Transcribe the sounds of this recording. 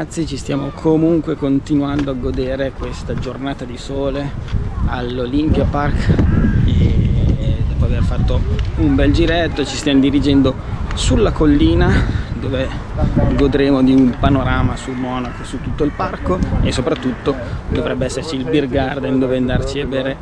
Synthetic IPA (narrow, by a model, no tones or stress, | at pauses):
at̪sːit͡ʃist̪jaːmokʰomuŋkwekont̪inuand̪oaɡod̪eːɾekwest̪ad͡ʒornaːt̪ad̪isoːlealːolimpjapark | e | d̪ɔːpoaverfat̪ːoumbɛld͡ʒiɾɛt̪ːot͡ʃist̪jamod̪iɾid͡ʒɛnd̪o | sulːakolːiːnad̪oːve | ɡod̪ɾeːmod̪iumpanoɾaːmasulmɔːnakosut̪ːut̪ːoilparkoesːopɾat̪ːut̪ːod̪ovɾɛbːeɛsːert͡ʃiːlbirɡard̪ɛnd̪oːveand̪art͡ʃiabeːɾe